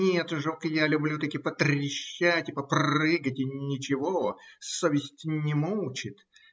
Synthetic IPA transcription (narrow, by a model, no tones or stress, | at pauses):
nʲet̪ʐokjalʲʊblʲut̪ɐkʲɪpət̪ɾʲɪɕːætʲɪpəprɨɡətʲɪnʲɪt͡ɕɪvosovʲɪsʲtʲnʲɪmolˠt͡ɕɪt̪